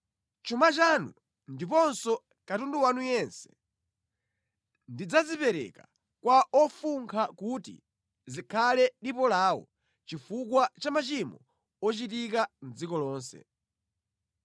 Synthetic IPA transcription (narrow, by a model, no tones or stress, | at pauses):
t͡ʃumat͡ʃanṵ | ndipɔnsɔ | katunduwanujɛnsɛ̥ | ndid͡zazipɛɾɛ̰ka | kwaʔɔfuŋkʰakutḭ | zikʰalɛɗipɔlaːwɔ̰ | t͡ʃifukwat͡ʃamat͡ʃimɔ | ɔt͡ʃitikan̩d͡zikɔlɔːnsɛ̰